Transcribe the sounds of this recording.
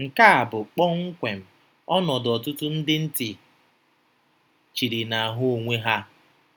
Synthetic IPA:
ŋ̩˨ka˦a˨bʊ˨k͡pɔ˦ŋ̩˦kʷe˨m̩˨ | ɔ˦nɔ˨dɔ˨tʊ˦tʊ˦n̩˦dɪ˦n̩˦tɪ˨ | t͡ʃi˨ɾi˨na˨ɦʊ˦o˨ŋʷe˦ɦa˦

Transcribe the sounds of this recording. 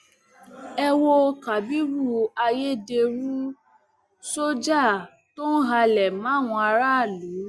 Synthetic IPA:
ɛ˧wo˧ka˨bi˦ɾu˦˨a˧je˦de˧ɾu˦ | so˦d͡ʒa˦˨ | to˦n̩˦ɦa˧lɛ˨mãː˨˦˨w̃ɔ̃˧a˧ɾa˦˨lu˨˦

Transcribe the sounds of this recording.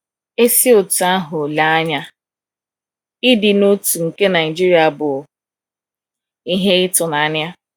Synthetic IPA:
e˦si˦o˨tu˨a˦ɦʊ˨la˦a˦ɲa˦ | ɪ˦dɪ˨no˦tu˨ŋ̩˨ke˦na˨ɪ˨d͡ʒi˦ɾi˨˦a˨bʊ˨ | i˦ɦe˦ɪ˦tʊ˨na˨a˦nja˦

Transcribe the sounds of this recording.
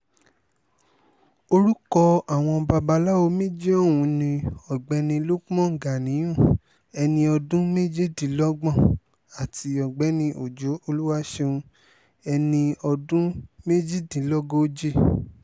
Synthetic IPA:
o˧ɾu˦kɔ˧a˦˨w̃ɔ̃˧ba˧ba˧la˦o˧mẽ˦d͡ʒi˦ɔ˦˨wũ˨˧nĩ˧ɔ˨ɡ͡bɛ˨˦nĩ˧lu˦kɔ̃˦ŋ̩˨ɡa˨nĩ˨˦j̃ũ˦˨ | ɛ˧nĩ˧ɔ˧dũ˦me˦d͡ʒi˦˨di˨lɔ˦ɡ͡bɔ̃˦˨ | a˨ti˧ɔ˨ɡ͡bɛ˨˦nĩ˧ʔo˨d͡ʒo˨˦o˧lu˦wa˦ʃe˧ũ˧ | ɛ˧nĩ˧ɔ˧dũ˦me˦d͡ʒi˦˨dĩ˨˦lɔ˦ɡo˦d͡ʒi˦

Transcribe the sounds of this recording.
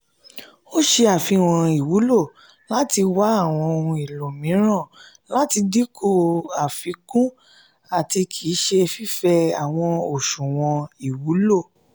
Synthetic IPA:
o˦ʃe˧a˨fi˨˦w̃ɔ̃˧i˨wu˨˦lo˦˨ | la˦ti˧wa˨˦a˦˨w̃ɔ̃˧o˧hũ˧i˨lo˨mĩ˨˦ɾ̃ã˦˨ | la˦ti˧di˦kʰo˦˨a˨fi˨˦kũ˦ | a˨ti˧kʰi˨˦ʃe˧fi˦fɛ˧a˨w̃ɔ̃˧o˨ʃũ˨w̃ɔ̃˧i˨wu˨˦lo˦˨

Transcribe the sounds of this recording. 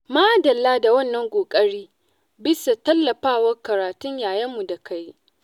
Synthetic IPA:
maː˦dɐ˨lːaː˦da˨wɐ˦nːɐ˦ŋkʷʼoː˨kʼɐ˦ɽiː˦ | bɪ˦sa˨tɐ˦lːɐ˨ɸaː˦˨wɐ˦rkɐ˨ɾaː˨tʊ˦ɲjaː˨jɐ˦mːu˨da˨kʰa˦j

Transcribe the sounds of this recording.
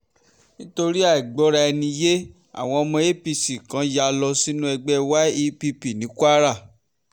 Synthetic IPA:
nĩ˦to˧ɾi˦a˦˨i˨ɡ͡bɔ˨˦ɾa˧ɛ˧nĩ˧je˦ | a̰˦˨w̃ɔ̃˧ɔ˧mɔ̃˧e˦pi˧si˨kã˨˦ja˧lɔ˧si˦nũ˦ɛ˧ɡ͡bɛ˦wa˦i˧pi˧pi˨nĩ˨˦kwa˦ɾa˦˨

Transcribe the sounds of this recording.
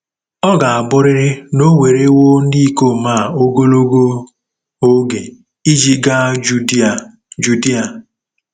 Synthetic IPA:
ɔ˦ɡa˨a˨bʊ˦ɾɪ˦ɾɪ˦no˦we˨ɾe˦wo˦n̩˦di˦i˦ko˦˨maː˦˨o˦ɡo˦lo˦ɡo˦ | o˦ɡe˨ | i˦d͡ʒi˦ɡa˦d͡ʒu˦˨ | d͡ʒu˨di˦a˨

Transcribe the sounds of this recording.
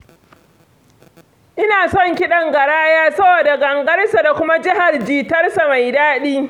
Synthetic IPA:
ʔɪ˦naː˨sɔ˦˨ŋkʲɪ˦ɗɐ˨ŋɡɐ˨ɽaː˦jaː˦sɐ˦boː˨da˨ɡɐ˨ŋɡɐ˦rsa˨da˨kʷʊ˦ma˦d͡ʒɪ˦ɦa˨rd͡ʒiː˨tɐ˦rsa˨ma˨jdaː˦ɗiː˦

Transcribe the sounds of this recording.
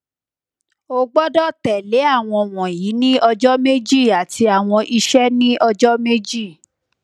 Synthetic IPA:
o˧ɡ͡bɔ˦dɔ˦˨tɛ˨le˨˦a˦˨w̃ɔ̃˧w̃ɔ̃˨ji˨˦nĩ˦ɔ˧d͡ʒɔ˦me˦d͡ʒi˦˨a˨tʰi˧a˨w̃ɔ̃˧ʔi˧ʃɛ˦nĩ˦ʔɔ˧d͡ʒɔ˦me˦d͡ʒi˦˨

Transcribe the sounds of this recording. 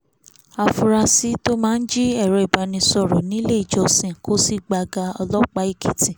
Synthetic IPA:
a˨fu˧ɾa˧si˨˦to˦mãː˦n̩˦d͡ʒi˦ɛ˦˨ɾɛ˨ba˧nĩ˧sɔ˧˨ɾo˨nĩ˨˦le˦i˨d͡ʒɔ˧˨sĩ˨ko˦si˦ɡ͡ba˧ɡa˧ɔ˧lɔ˦k͡pa˧˦i˦˨kʰi˨tĩ˨

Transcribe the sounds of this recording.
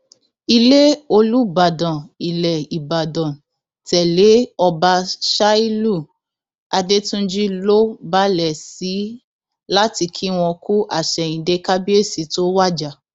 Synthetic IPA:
i˧le˦o˧lu˦ba˨dã˨i˨lɛ˨i˨ba˨dɔ̃˨ | tɛ˨le˨˦ɔ˧ba˧ʃa˦i˦lu˦˨ | a˧de˦tũ˦n̩˦d͡ʒi˦lo˦ba˦lɛ˨si˨˦ | la˦ti˧kʰi˦w̃ɔ̃˧ku˦ʔa˦˨ʃɛ˨ĩ˨de˦ka˦bi˦e˦˨si˨˦to˦wa˦˨d͡ʒa˨

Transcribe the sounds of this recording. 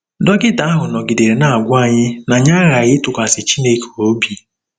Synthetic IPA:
dɔ˦ɡɪ˦da˦a˦ɦʊ˨nɔ˨ɡɪ˨de˨ɾe˨na˨a˨ɡʷa˦˨ɲɪ˦na˨ɲa˦ɣa˨ɣɪ˦tʊ˨kʷa˨sɪ˨t͡ʃi˦ne˦ko˨o˦bi˦

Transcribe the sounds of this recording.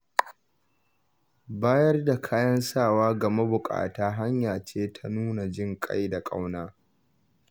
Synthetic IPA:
baː˦jɐ˦rda˨kʰaː˦jɐ˦nsaː˦˨waː˦ɡɐ˨me˦bʊ˨kʼa̰ː˨taː˦ɦa˦ɲjaː˨t͡ʃeː˦tʰa˦nuː˦na˨d͡ʒɪ˦ŋkʼa̰˦jda˨kʼa̰˦wnaː˦

